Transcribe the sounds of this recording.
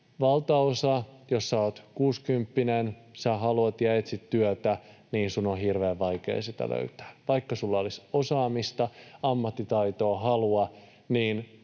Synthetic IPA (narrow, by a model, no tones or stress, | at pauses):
ʋɑlt̪ɑosɑjosːæoːt̪kuːskympːinensæɦɑluɑt̪jæet̪sit̪tyøt̪æniːnsunohirʋeːʋʋɑikḛːsit̪æ̰lø̰yt̪æ̥ːʋɑikːɑsulːɑolisosɑːmist̪ɑɑmːɑt̪ːit̪ɑit̪o̞ːɦɑluɑ | niːn